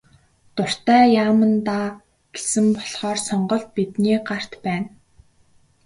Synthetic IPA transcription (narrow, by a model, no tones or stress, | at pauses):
t̪ʊr̥t̪æːjaːmə̆nt̪a | ɡ̥e̥sɘ̆mpɔɮχɔːrsɔɴɢɞ̆ɮt̪̚pit̪niːɢar̥t̪pæːn